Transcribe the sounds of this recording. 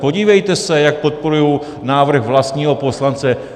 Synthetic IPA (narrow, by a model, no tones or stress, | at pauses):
po̞ɟiːvɛjt̪ɛsɛjak̚po̞t̪̚poɾujow | naːvr̩xvlast̪ɲiːɦo̞po̞slant͡sɛ